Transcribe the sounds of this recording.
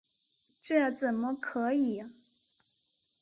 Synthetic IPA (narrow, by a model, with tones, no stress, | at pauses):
ʈ͡ʂɤ˥˩jt͡sə˨˩nmə˦kʰɤ˧˥i˨˩˦